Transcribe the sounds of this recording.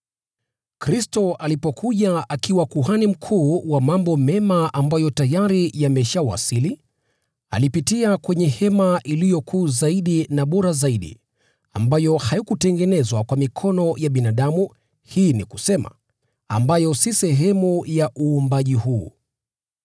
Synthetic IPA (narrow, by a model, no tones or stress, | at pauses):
kɾistɔʔalipɔkʰuʄaakiwakuɦanim̩kʰuːwamambɔmɛmaʔambajɔtajaɾijamɛʃawa̰sili | a̰lipitiakwɛɲɛhɛmaʔilijɔkʰuːzaiɗinaɓɔɾazaiɗḭ | a̰mbajɔhajikutɛŋɡɛnɛzwakwamikʰɔnɔjaɓinaɗamu | hiːniku̥sɛma̰ | a̰mbajɔsisɛɦɛmujaʔuːmbaʄihuː